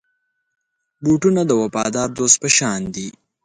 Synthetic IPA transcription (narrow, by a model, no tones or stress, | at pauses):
buʈunad̪əwɐpɑ̰ːd̪ɑːɾd̪oːst̪̚pəʃɑːnd̪i